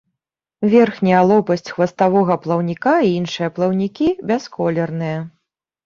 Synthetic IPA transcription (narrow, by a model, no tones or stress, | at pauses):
vʲɛrxnʲɐjɐlˠɔpɐsʲt͡sʲxvɐst̪avɔɣɐplˠɐwnʲikaiinʂɨjɐplˠɐwnʲikʲibʲɛskɔlʲɛrnɨjɐ